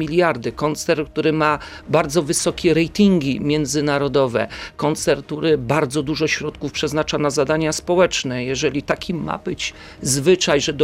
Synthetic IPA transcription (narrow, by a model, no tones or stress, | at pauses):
ilʲjaɾd̪ɘkɔnt̪sɛɾk̚t̪uɾɘma | baɾd̪zɔvɘsɔkʲɛɾɛjt̪ʲiŋɡʲimʲjɛnd̪zɘnaɾɔd̪ɔvɛ̰kɔnt̪sɛɾk̚t̪uɾɘbaɾd̪zɔd̪uʐɔɕɾɔt̪kufpʂɛznat͡ʂanazad̪aɲaspɔwɛt͡ʂnɛjɛʐɛlʲit̪akʲimːa̰bɘt͡ɕ | zvɘt͡ʂajʐɛd̪